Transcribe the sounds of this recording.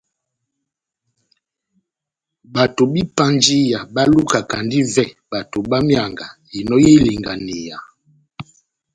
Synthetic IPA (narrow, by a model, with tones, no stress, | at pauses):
ba˨to˨bi˦pa˦nd͡ʒi˦ja˨ba˦lu˦ka˨ka˨ndi˦vɛ˦ba˨to˨ba˦mja˨ŋɡa˨ | i˨nɔ˦ji˦li˨ŋɡa˨ne˨ja˨